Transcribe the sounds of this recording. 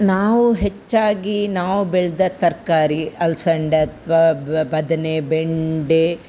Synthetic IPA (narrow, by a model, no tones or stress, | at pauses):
naːʋuɦet͡ʃːaːɡinaːʋubeɭd̪ɐt̪ɐɾkaːɾiɐlsɐɳɖeɐt̪ʰʋaːbɐd̪ɐnebeɳɖe